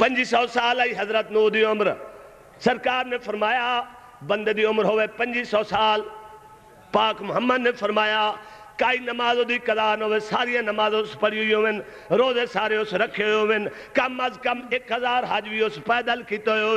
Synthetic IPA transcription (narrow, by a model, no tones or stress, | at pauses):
pɐ̃ɲd͡ʒisɔːsaːliːɦɐzɾət̪nuːɾd̪ijõɐmɾ | sɐɾkaːɾnẽfɐɾmaːja | bɐ̃nd̪d̪iʊmɾɦʊʋepɐ̃ɲd͡ʒisɔːsaːl | paːkmʊɦəmːəd̪nẽfɐɾmaːjakaːiːnɐmaːzõd̪ikɐzaːɾnɦʊʋesaːɾijãnɐmaːzõspɐɽiʊijõʋɪnɪ̆ | ɾoːzesaːɾejõsɾɐkʰioɦijoʋɪnɪ | kɐmːɐzkɐmekɦɐzaːɾɦaːʄʋiospɛːd̪əlkit̪ojoː